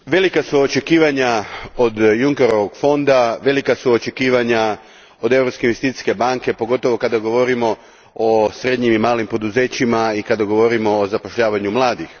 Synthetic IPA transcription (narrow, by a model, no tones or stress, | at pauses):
ʋe̞likasuot͡ʃe̞kiːʋaɲaod̪juŋke̞ɾo̞ʋoɡ̥fo̞nd̪aʋe̞likasuot͡ʃe̞kiːʋaɲa | od̪e̞ʋɾopske̞inʋest̪it̪i̥ske̞baŋke̞po̞ɡo̞t̪o̞ʋo̞kad̪aɡo̞ʋo̞ɾimo̞ | osɾe̞d̪ɲimimaːlimpo̞d̪uze̞ːt͡ɕimaikad̪aɡo̞ʋo̞ɾimo̞ːzapoʃʎaːʋaɲumlˠaːd̪ix